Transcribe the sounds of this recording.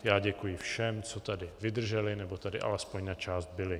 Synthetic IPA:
jaːɟɛkujɪfʃɛmt͡so̞t̪adɪvɪd̪r̩ʒɛlɪnɛbo̞t̪adɪ̰ʔa̰lɛspo̞ɲnat͡ʃaːsd̪̚bɪlɪ

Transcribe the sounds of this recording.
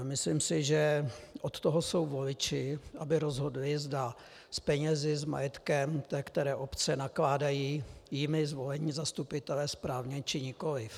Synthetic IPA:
mɪslɪmsɪʒɛʔot̪t̪oɦoso̞wvolɪt͡ʃɪʔabɪɾo̞zɦo̞dlɪzda | spɛɲɛzɪzma̰jɛt̪kɛmt̪ɛkt̪ɛɾɛːʔo̞pt͡sɛnaklaːdajiːjɪmɪzvo̞lɛɲiːzast̪upɪt̪ɛlɛːspɾaːvɲɛt͡ʃɪɲɪko̞lɪf

